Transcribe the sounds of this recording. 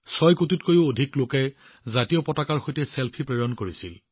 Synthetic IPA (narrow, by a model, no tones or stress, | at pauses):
sɔjkututkojʊodʱiklokɛ | zatijɔpɔtakaɹxojtɛselpʰipɹejɔnkoɹisil